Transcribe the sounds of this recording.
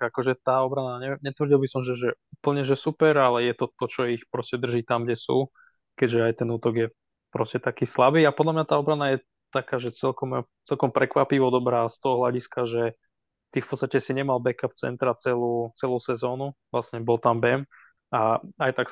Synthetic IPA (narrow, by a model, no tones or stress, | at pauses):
akɔʒɛt̪aːɔbɾanaɲɛɲɛt̪ʋr̩ɟilˠbisɔmʒɛʒɛuːpl̩ɲɛʒɛsupɛɾalɛjɛt̪ɔt̪ɔt͡ʃɔixpɾɔscɛd̪r̩ʒiːt̪amɡɟɛsṵː | kɛɟʒɛajt̪ɛnuːt̪ɔɡjɛ | pɾɔscɛt̪akiːslabiːapɔd̪lamɲat̪aːɔbɾanajɛ | t̪akaːʒɛt͡sɛlkɔmt͡sɛlkɔmpɾɛkʋapiʋɔd̪ɔbɾaːst̪ɔɦɔɦlaɟiskaʒɛ | t̪ifpɔt͡st̪acɛsiɲɛmalbɛkap̚t͡sɛ̰nt̪ɾat͡sɛluːt͡sɛluʊsɛzɔːnuʋlasɲɛbɔlt̪ambɛm | aajt̪ak